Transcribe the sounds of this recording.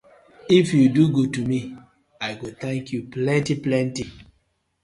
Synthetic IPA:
ifjuduɡud̚tumi | aɪɡut̪ʰɛ̃ŋkjuplɛ̃ntiplɛ̃nti

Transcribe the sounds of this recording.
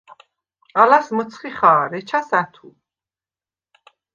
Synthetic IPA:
alasmət̪sʰχiχaːɾɛt͡ʃʰasat̪ʰu

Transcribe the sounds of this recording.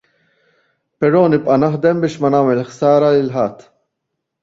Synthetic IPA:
pɛɾɔːnɪpʼʔɐnɐħd̪ɛmbɪːʃmɐnɐːmɛlħsɐːɾɐlɪlħɐt̪ː

